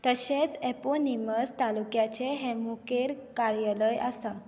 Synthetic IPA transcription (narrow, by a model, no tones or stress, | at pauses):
t̪əɕet͡seponiməst̪alukjat͡ɕeɦemukeɾ | kaɾjələjasa